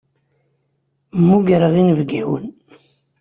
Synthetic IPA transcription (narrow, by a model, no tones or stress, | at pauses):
mːuɡɾəʁinəvɡæwə̰n